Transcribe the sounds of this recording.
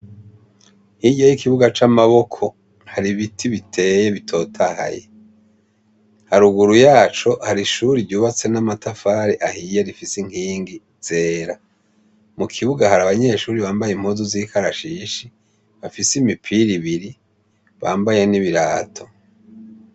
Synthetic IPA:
hijejikiβuɡat͡ʃamaβo̞kʰo̞ | haɾiβitʰiβitʰe̞ːje̞βitʰo̞ːtʰaha̰jḛ | haɾuɡuɾujaːt͡ʃo̞haɾiʃuːɾivɟuːβat͡se̞namatʰafaːɾiʔahijeɾifisiŋ̥hiːŋɡi | z̥e̞ːɾa | mukʰiβuɡahaɾaβaɲe̞ʃuːɾiβaːmbajeim̥huːzuziːkʰaɾaʃiːʃi | βafisimipʰiɾiβiɾi | βa̰ːmbaje̞niβiɾaːtʰo̞̥

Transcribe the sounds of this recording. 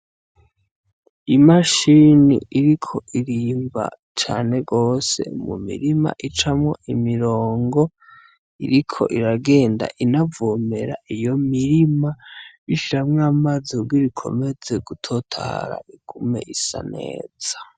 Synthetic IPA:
imaʃinḭiɾikʰo̞ʔiɾiːmba̰ | t͡ʃaːne̞ɡo̞ːse̞̰mṵmḭɾima̰ʔit͡ʃamŋoʔimiɾo̞ːŋɡo̞ | iɾikʰo̞̰ʔiɾaɡe̞ːnda̰ʔinavoːme̞ɾa̰ʔijo̞miɾimaβiʃiɾamŋamazoɡɡwiɾikʰo̞̰me̞d͡ze̞ɡ̥utʰo̞tʰa̰ːɾa̰ikume̞̰ʔisa̰ne̞̰ːz̥ḁ

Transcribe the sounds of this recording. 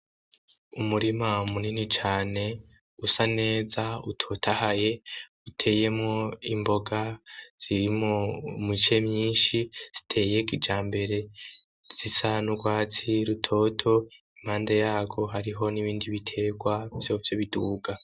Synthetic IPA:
umuɾimaumuninit͡ʃaːne̞ | usane̞ːzautʰo̞ːtʰahaje̞utʰe̞ːje̞mŋo̞imbo̞ɡaz̥iɾimomit͡ʃe̞mɲiːnʃiz̥i̥tʰe̞ːje̞ɡid͡ʒaːmbe̞ɾe̞ | z̥isanuɡwaːt͡siɾutʰo̞ːtʰo̞im̥haːndejaːɡo̞ɦaɾiɦo̞niβiːndiβitʰe̞ɡwavjo̞ːvjoβiduːɡa

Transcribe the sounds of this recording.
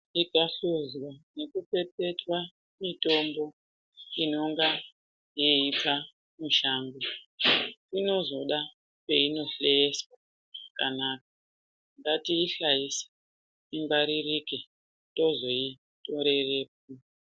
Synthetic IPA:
ikaɬuzwane̞kupe̞pe̞twa | mito̞mbo̞ | ino̞ŋɡa | jiipa | muʃaːŋɡu | ino̞zo̞ɗa | peino̞ɬeeswa | kanak̚ḁ | ŋɡatiːɬaisi̥ | imbaɾirike | to̞zo̞i | to̞ɾe̞re̞p̚u

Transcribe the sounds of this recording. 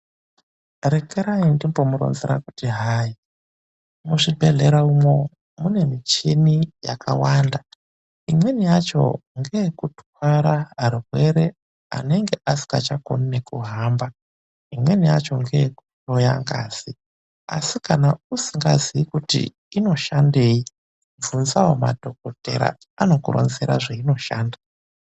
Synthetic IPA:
rekeɾaindimbo̞muɾo̰nzeɾa̰kutiɦaːi | muʂibʱe̞ɮeɾaumo̞ | mune̞mit͡ʃinijakʰa̰waːnda | imwe̞nijat͡ʃo̞̰ŋɡejkutwaɾaarurwe̞ɾe̞ | a̰ne̞ŋɡe̞ʔasi̥kat͡ʃako̰ninekuɦaːmba | imwe̞nijat͡ʃo̞ŋɡejekuro̞jaŋɡaːz̥i | a̰sikanausiŋɡaziikutḭ | ino̞ʃande̞ːji | ɱvunzawomadʱo̞ko̞te̞̰ɾa̰ | ano̞kurʔo̰nze̞ɾa̰ʐeino̞ʃaːnda

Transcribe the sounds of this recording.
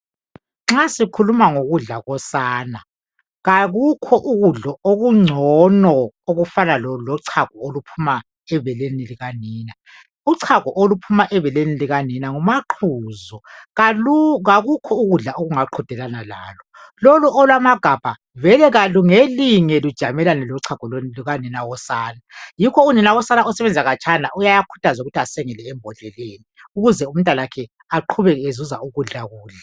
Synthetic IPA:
ŋ͡ǁasikʰulumaŋoɣuɮaɣɔsaːna | ɣaɣukʰɔʔuɣuɮɔoɣuŋ͡ǀʱɔnɔoɣufanalɔlɔǀʰaɣɔolupʰuma | ɛβɛleniliɣaniːna | uǀʰaɣɔʔolupʰumaʔɛβɛleniliɣaninaŋumaǃʰuːzɔ | ɣaɣukʰɔuɣuɮaʔoɣuŋaǃʰɔd̥ʱɛlanala̰ːlɔ | lɔluʔɔlwamaɡ̥ʱab̥ʱa | vɛlɛɣaluŋeliŋɛlud̥ʒ̥ʱamɛlanɛlɔǀʰaɡ̥ʱɔloniluɣanɛnawɔsaːnajikʰɔunɛnaɣɔsanaɔsɛβɛnd͡zʱaɣat͡ʃʰʼana̰ʔujajakʰu̥tʰazuɣutʰiasɛŋɛlɛːmbʱɔɮɛleːni | uɣuzɛum̩ntʼalakʰɛ | aǃʰuβɛɣɛezuza̰ʔuɣuɮaɣuːɮa

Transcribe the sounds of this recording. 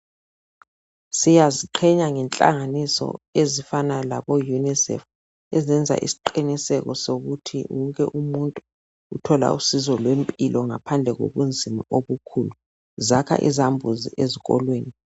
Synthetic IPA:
sijaziǃʰɛɲaŋɛnt͡ɬʼa̰ŋanisɔ̰ezifanalaβɔjunisɛ̰f | ɛzɛnd͡zʱa̰ʔḭsi̥ǃinisɛkɔsoɣutʰḭuŋk̬ʼɛ̰ʔumuntʼu | utʰɔla̰usizɔlwempʼilʔɔŋapʰand͡ɮʱɛɣo̰βund͡zʱima̰ʔoβukʰulu | zakʰa̰ʔḭzambʱuzḭʔeziɣɔlweːni

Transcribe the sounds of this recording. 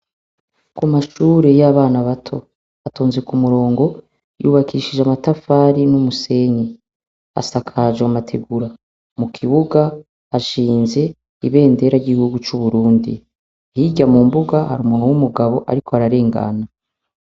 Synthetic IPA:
kumaʃuːɾe̞jaːβaːnaβatʰo̞̰ | atʰoːnzekumuɾo̞ːŋɡo̞ | jṵːβakʰiʃid͡ʒeamatafaːɾinumuse̞ɲi | a̰sakʰad͡ʒeamatʰeɡuɾa | mukʰiβuɡa | aʃiːnze̞ | iβe̞ːnde̞ɾaɾɟiɡihuɡut͡ʃuβuɾuːndḭ | hiɟamumbuɡaha̰ɾuːmuːnuwumuɡaβo̞ʔaɾikʰoaɾaɾe̞ːŋɡa̰na

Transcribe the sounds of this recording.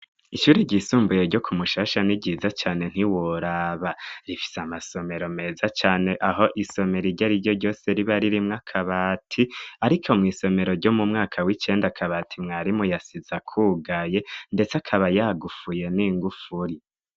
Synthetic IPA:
iʃuːɾiɾɟisuːmbujeɾɟo̞kʰumuʃaʃaniɟiːzat͡ʃaːne̞n̥iwoɾaβaɾifi̥seamaso̞me̞ɾo̞me̞zat͡ʃaːne̞ʔaɦo̞ʔiso̞me̞ɾiɾɟaɾiɾɟo̞ɾɟo̞ːse̞ɾiβaɾiɾimŋakʰaβaːtʰiaɾikʰo̞mŋiːso̞me̞ɾo̞ɾɟo̞mumŋaːkʰawit͡ʃe̞ːndakʰaβatʰimŋaɾimujasizakʰuːɡaje̞nde̞t͡sakʰaβajaɡufuje̞niːŋɡufuɾi

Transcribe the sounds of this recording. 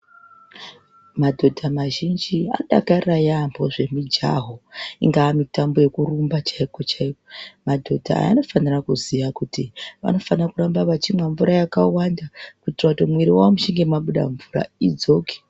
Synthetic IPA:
madʱo̞dʱamaʒind͡ʒia̰ɗakarajambo̞ʐe̞mid͡ʒa̰ɦo̞ḭŋɡaːmitambo̞je̞kurumbat͡ʃaiko̞t͡ʃaikomadʱo̞dʱa̰a̰a̰no̞fanirakuziʋakutiʋa̰no̞fanakuɾambaʋat͡ʃimwaɱvuɾajakawandakutiratomweɾiwamuʃiŋɡe̞maɓuɗa̰ɱvura̰id͡zo̞ːke̥

